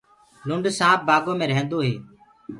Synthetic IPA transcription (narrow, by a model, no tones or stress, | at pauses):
lʊɳɖsãːp̚baːɡõːmẽːɾəɦẽːnd̪oːɦeː